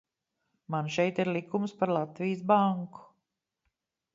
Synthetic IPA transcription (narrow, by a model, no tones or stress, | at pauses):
manʃɛjt̪iɾlikumspaɾlˠat̪vijsbaŋku̥